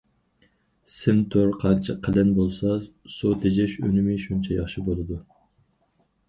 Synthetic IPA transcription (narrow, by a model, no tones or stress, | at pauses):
sɪmt̪ʰoɾqʰɑnt͡ʃʰɪqʰːəlɪnbolˠsɑsut̪ʰed͡ʒɛʃø̰nɪmɪʃunt͡ʃʰɛjɑχʃibolˠɨd̪u